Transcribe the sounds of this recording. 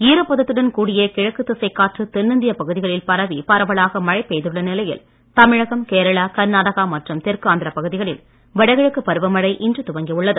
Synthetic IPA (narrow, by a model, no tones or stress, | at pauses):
iːɾɯpːɐðɐt̪ːɯɽɐnkuːɽɪjekɪɻɐkːɯt̪ːɯsɐɪkːaːʈrɯt̪ɛnːɯnd̪ɪjɐpɐɣɯðɪɣɐɭɪlpɐɾɐʋipɐɾɐʋɐɭaːɣɐmɐɻɐɪpːeːðɯɭːɐnɪlɐjɪ̰l | t̪ɐmɪɻɐɣɐmkeːɾɐɭaːkɐɾnaːɽɐɣaːmɐʈrɯmt̪ɛrkɯaːnd̪ɪɾɐpɐɣɯðɪɣɐɭɪl | ʋɐɽɐɪɣɐɻɯkːɯpːɐɾɯʋɐmɐɽɐɪʔɪndrɯt̪ʊʋɐŋɡijʊɭːɐðɯ